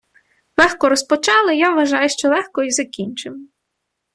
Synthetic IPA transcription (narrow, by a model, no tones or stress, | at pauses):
lˠɛxkɔɾɔspɔt͡ʃɑlˠɪjaʋʋɐʒɑjʊʃt͡ʃɔlˠɛxkɔizɐkʲinʲt͡ʃɪw